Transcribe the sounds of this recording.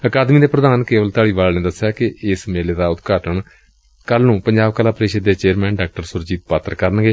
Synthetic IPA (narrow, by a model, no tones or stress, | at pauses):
əkaːd̪mĩːd̪eːpɾəd̪aːnkeːʋəlt̪ʊaːɽiːbaːlnẽːd̪əsjaːkɪɪsmeːleːd̪aːʊt̪ɡaːʈəɳ | kəlnũːpəɲd͡ʒaːbkaːlaːpɾeːʃəd̪ːeːt͡ʃeːɾmɛ̃ːnɖaːk̚ʈəɾsʊɾd͡ʒiːt̪paːt̪ɾkəɾənɡeː